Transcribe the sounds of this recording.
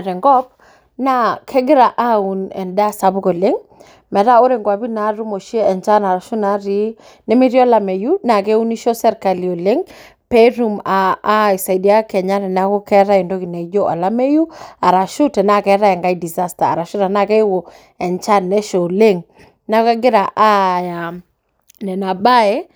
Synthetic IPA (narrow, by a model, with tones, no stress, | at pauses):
a˨ɾɛ˨ŋɡɔ˦p̚ | na˦kʰɛ˦ɡɪ˦ɾa˨ʔa˦u˨nɛ̰˨ndɛ˦a˦˨sa˨˦bʊ˦ɡo˨le˦ŋ | mɛ˨ɾa˦o˦ɾe˨ŋɡwa˨bi˦na˨˦ɾu˦mo˨ʃi˦e˦ɛ˨nt͡ʃa˦na˨ɾa˨ʃu˦na˨˦ɾi˦ | nɛ˦mi˦ɾi˦ɔ˦la˦˨me˨ju˦na˨ke˦u˦ni˦ʃo˦sɛ˦ɾka˨li˨o˨le˦ŋ | pe˦ɾu˦ma˨˦i˨sa˨jdi˨a˦kɛ˨ɲa˦ɾɛ˨na˦kɔ˦kɛ˦ɾa˦i˨ndo˦ki˨nɛ˨˦d͡ʒo˦ʔa̰˨la˦me˦ju˦a˨ɾa˨ʃu˦tɛ˨na˦kɛ˦ɾa˦ɛ˨ŋɡa˦i˦di˨za˦sta̰ː˨ɾa˨ʃu˦ɾa˨na˦˨kɛ˦wo˨ | ɛ˨nt͡ʃa˦nːɛ˦ʃo˨le˦ŋ | na˦ka˦ɡɪ˦ɾa˨ʔa˦ja˨ | nɛ˨na˨ba˦ɛ˦